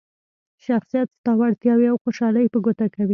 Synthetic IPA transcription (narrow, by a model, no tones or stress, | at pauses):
ʃaxsijat̪st̪ɑwaɽt̪jɑwiawxoʃɑləjpəɡot̪akawi